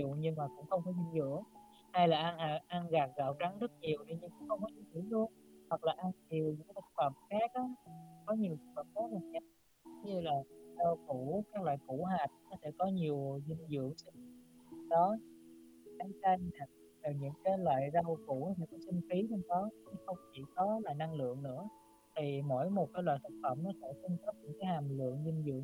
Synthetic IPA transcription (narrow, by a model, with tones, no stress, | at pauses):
ʊ̰˨ɲɨ˧ŋmaː˨˩kʊ̰˧˥ŋ͡mxə˧wŋ͡mfaː˨˩˦jzi˧nzɨ̰˧˥əŋ | ha˧jlaː˨˩ʔa˧nʔa˧˩ʔa˧nɣaː˨˩k̚ɣa̰ː˧˨wt͡ɕa˨˦ŋzə˦˥t̚ɲi˨˩əwɗi˧ɲɨ˧ŋkʊ̰˧˥ŋ͡mxə˧wŋ͡mkɔ˨˦t͡ɕi˧˦fi˧˩əwlu˧ənhwa˨˩k̚laː˨˩ʔa˧nt͡ɕi˨˩əwɲɨ̰˧˥ŋka˨˦tə˧˩k̚fa˨˩pxaː˦˥k̚ʔaː˨˦kɔ˨˦ɲi˨˩əwsʊ˨˦k̚wəː˨˩p̚zə˦˥t̚laː˨˩t̚ɲə˦˥t̚ | ɲɨ˧laː˨˩zə˧wku˧˩˥kaː˦˥k̚lwa̰ː˧˨jku˧˩ɦaː˨˩t̚nɔ˨˦sɛ̰˧˥kɔ˨˦ɲi˨˩əwzi˧ŋzɨ̰˧˨əŋsə˧ŋ˨˧˩ɗɔ˨˦˨ | ʔa˨˦t͡ɕa˧ŋa˨˩ | t̪ɨː˨˩ɲɨ̰˧˥ŋkaː˨˦jlwa̰ː˧˨jzə˧wku˧˩nɔ˨˦sɛ̰˧˥kɔ˨˦si˧ŋ̟fi˨˦t͡ɕɔ˧wmɗɔ˨˦t͡ɕi˨˦xə˧wŋ͡mt͡ɕḭ˧˩kɔ˨˦la̰ː˧˨jna˧ŋlɨ̰˧˨əŋnɨ̰˧˥ə | t̪ʰi˨˩mo̰˧˥jmo˨˩t̚kaː˨˦jlwa̰ː˧˨jt̪ə˦˥k̚fə̰˧˩˨mnɔ˨˦sɛ̰˧˥si˧ŋt̪ə˦˥p̚ɲɨ̰˧˥ŋkaː˨˦jhaː˨˩mlɨ̰˧˨əŋzi˧ŋzɨ̰˧˨əŋ